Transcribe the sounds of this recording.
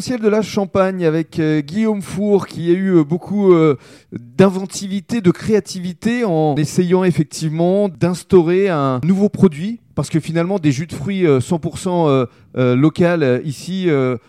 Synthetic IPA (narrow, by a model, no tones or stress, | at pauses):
sjɛld̪əlaʃɑ̃paɲavɛkøɡʲiomfuʁkʲiayøbokʰuø | d̪ɛ̃vɑ̃t̪ivit̪ed̪əkχeat̪ivit̪eɑ̃nesejɑ̃efɛk̚t̪ʰivmɑ̃d̪ɛ̃st̪ɔʁeɛ̃nuvopχɔd̪ɥipaʁsə̥kəfinalmɑ̃d̪eʒyd̪fχɥiøsɑ̃puʁsɑ̃ø | ølɔkalisiø